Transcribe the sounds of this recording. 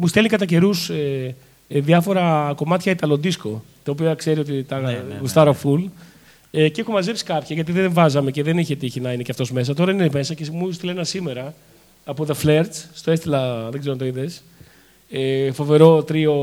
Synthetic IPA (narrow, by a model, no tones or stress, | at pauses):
must̪elikɐt̪ɐce̞ɾuse | ðiɐfo̞ɾɐko̞mɐt̪çɐit̪ɐlo̞nd̪isko̞ | t̪ɐop̬iɐkse̞ɾio̞t̪it̪ɐust̪ɐɾoful | eceexumɐze̞psi̥kɐpçɐʝɐt̪iðeɱvɐzɐme̞ce̞ðeniçet̪içinɐine̞ceɐft̪o̞zme̞s̬ɐt̪o̞ɾɐineme̞sɐcemust̪ilɐenɐsime̞ɾɐː | po̞ðefleɾt͡sst̪o̞est̪ilɐðeɡzeont̪oiðes | efo̞ve̞ɾo̞t̪ɾio̞